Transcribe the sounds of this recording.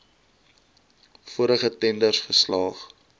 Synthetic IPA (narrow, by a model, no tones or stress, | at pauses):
fuəɾəχətɛndərsfəslɑːχ